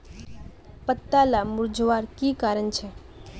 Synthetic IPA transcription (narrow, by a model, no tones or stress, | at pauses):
pət̪ːalamuɾd͡ʒʋaɾkikaɾənt͡ʃʰe